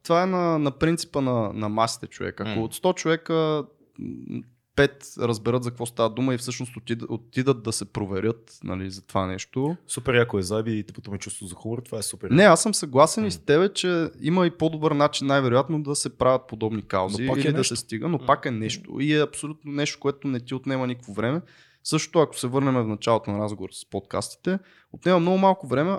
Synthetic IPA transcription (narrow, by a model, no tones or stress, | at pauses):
t̪vaɛnɐnɐpɾint̪si̥pənɐnɐmasi̥t̪ɛt͡ʃo̰vɛ̰kɐkoːt̪st̪ɔt͡ʃovɛkə | pɛt̪ɾəzbɛɾɤt̪zɐkvɔst̪avəd̪uməifsɤʃnost̪ot̪iot̪id̪ət̪̚d̪ɐsɛpɾovɛɾʲɤt̪ | nɐ̰lizɐt̪ovanɛʃt̪osupɛɾjakovɛzabit̪ɛpot̪ɔmɛt͡ʃust̪vʊzɐxumoɾət̪ovaɛsupɛɾnɛasəmsɐɡlˠasɛnist̪ɛβɛt͡ʃɛiməipod̪obɤɾnat͡ʃinːajvɛɾojat̪nod̪ɐsɛpɾʔavʲɐt̪̚pod̪ɔbnika̰wziːlid̪ɐsɛst̪iɡənopakɛnɛʃt̪o̰iɛɐpsolʲut̪̚nonɛʃt̪o̥koɛt̪onɛt̪iot̪nɛmənikəkvovɾɛmɛ | sɤʃt̪o̥t̪oɐko̥sɛvɤɾnɛmɛvnɐt͡ʃalˠot̪onɐɾazɡovoɾəspɔt̪̚ka̰st̪i̥t̪ɛ | ot̪nɛmɐmnɔɡʊmalˠkovɾɛmɛ